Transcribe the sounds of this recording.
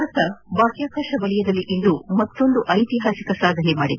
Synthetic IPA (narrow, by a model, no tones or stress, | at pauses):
ɾɐt̪ɐbaːkjaːkaːʃɐʋɐɭijɐd̪ɐlːiʔind̪umɐt̪ːo̞nd̪uʔɐjt̪iɦaːsikɐsaːd̪ʱɐnɛmaːɽid̪